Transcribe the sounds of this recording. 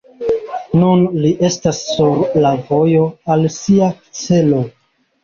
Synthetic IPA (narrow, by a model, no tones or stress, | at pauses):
nunliʔe̞stasːuɾlavo̞jo̞alsia | t͡se̞lo̞